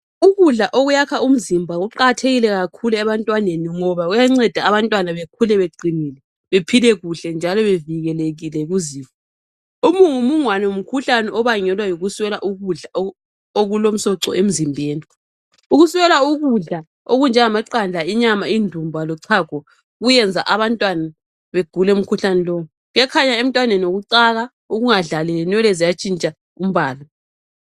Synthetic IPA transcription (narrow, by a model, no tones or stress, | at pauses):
uɣuɮaʔoɣujakʰaum̩zimbʱaɣuǃaɣtʰeɣilɛɣakʰuluɛβantʼwaneniŋɔβaɣujaŋ͡ǀɛd̥ʱaːβantʼwanaβekʰulɛβeǃiniːlɛ | βepʰilɛɣuɬɛnd͡ʒʱalɔβeviɣɛleɣilɛɣuziːfɔ | umuŋumuŋwanɛwom̩kʰuɬanɛʔɔβaŋɛlwajoɣuswɛlaʔuɣuɮa | oɣulom̩sɔǀɔ̰ʔem̩zimbʱeːni | uɣuswɛlauɣuɮa | oɣund͡ʒʱɛŋamaǀand͡ɮʱaiɲamaindʱumbʱalɔǀʰaɡ̥ʱɔ | ɣujɛnd͡zʱaʔaβantʼwana | βeɡ̥ʱulɛum̩kʰuɬanɛlɔːu | ɣɛkʰaɲaem̩tʼwanenoɣuǀaɣa | uɣuŋaɮalɛlɛnwɛlɛzijat͡ʃʼint͡ʃʼa | um̩βaːla